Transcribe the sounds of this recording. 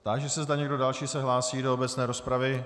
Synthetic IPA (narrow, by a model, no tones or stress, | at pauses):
t̪aɡʒɛsɛzdaɲɛɡ̚do̞dalʃiːsɛɦlaːsiːdoobɛt͡snɛːɾo̞spɾavɪ